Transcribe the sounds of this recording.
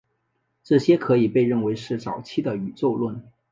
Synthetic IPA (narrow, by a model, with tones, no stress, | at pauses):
ʈ͡ʂɤ˥˩ɕjɛ˥kʰɤ˧˥i˨˩pe˥˧ɪɻə˥˩nwe˧˥ɪʂɻ̩˥˩t͡sɑ˨˩ʊt͡ɕʰi˥d̪ə˨˩y˨˩t͡so˥˧ʊlwə˥˩n